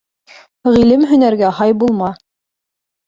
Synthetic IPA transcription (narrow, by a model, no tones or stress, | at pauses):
ʁilɘmɦɵ̆næɾɡæhɑjbulˠmɑ